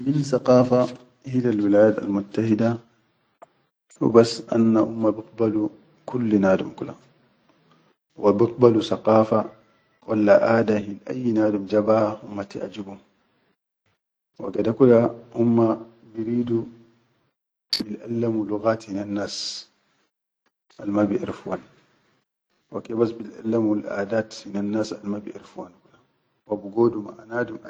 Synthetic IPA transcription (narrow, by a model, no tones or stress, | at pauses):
minsaqɑːfa | hilalwilaːjaːt̪a̰lmʊt̪ːahid̪a | wḭbasʔa̰nːaʔumːabɪq̚balu | kulːnaːd̪umkula̰ | wʔabɪq̚balusaqɑːfa | wa̰lːaʔaːd̪ahilʔa̰jːnaːd̪umd͡ʒabahahʊmːat̪ɪʔad͡ʒibum | wa̰ɡɛdakudahumːa | biɾiːdu | bilʔa̰lːamluɣaːthinanːaːs | ʔalmabiʔɪ̰ɾfuwan | wakɛbasbilʔa̰lːamalʔa̰ːdaːthinanːaːsalmabiʔḭɾfuwankuda | wabiɡoːdumaʔanaːdum